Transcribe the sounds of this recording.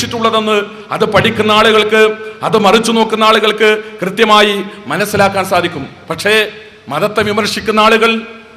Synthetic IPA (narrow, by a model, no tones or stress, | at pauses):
iʈːuɭːɐðe̞nːɨ | ɐðɨpɐɽikʲːunːɐaːɭuɣɐɭkɨɐðɨmɐrit͡ɕːuno̞ːkːunːaːɭuɣɐɭkɨkrɨt̪jɐmaːjimɐnɐsːilaːkːaːnsaːd̪ʱikʲːum | pɐʈʂe̞ː | mɐðɐt̪ːe̞ʋimɐɾʂikʲːunːɐaːɭuɣɐɭ